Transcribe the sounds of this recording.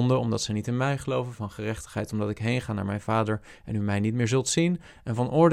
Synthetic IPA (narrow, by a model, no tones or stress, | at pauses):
ndəɔmdɑtsɛjnitɪnmɛjχəlowvənvɑnχərɛχtə̥χɦɛ̰jtɔmdɑtɪkɦejnχaːna̰ːɹmɛjnv̥aːdəɹ | ɛnymɛjnit̚mɪːɹzɵlˠtsin | ɛnvɑnʔʊːɹd